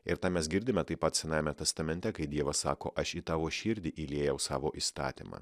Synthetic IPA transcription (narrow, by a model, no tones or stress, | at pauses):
ɪɾt̪ɑːmʲɛsɡʲɪɾʲd̪ʲɪmʲɛt̪ɐɪpɐt̪sʲɛnɑːjemʲɛt̪ʲɛst̪ɐmʲɛnʲt̪ʲɛkɐɪd̪ʲiɛʋɐssɑːko̰ːʔɐʃit̪ɑːʋoːʃʲɪːɾʲd̪ʲɪʔilʲeːjɛʊsɑ̰ːʋoːʔiːst̪ɑ̰ːt̪ʲḭmɑ̰ː